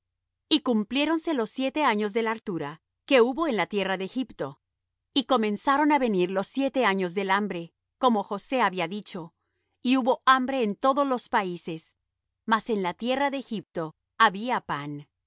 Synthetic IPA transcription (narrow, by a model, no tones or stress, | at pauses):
ikumplje̞ɾo̞nse̞lo̞sːje̞t̪e̞aɲo̞zðe̞laɾt̪uɾa | ke̞uβo̞e̞nlat̪je̞raðeːxipt̪o̞ | iko̞mẽ̞nsaɾo̞naβe̞niɾlo̞sːje̞t̪e̞aɲo̞zðe̞lambɾe̞ | ko̞mo̞xo̞se̞aβiaðit͡ʃo̞ | iuβo̞ʔambɾe̞ːnt̪o̞ðo̞zlo̞spaise̞s | mase̞nlat̪je̞raðe̞ːxip̚t̪o̞ | aβiapan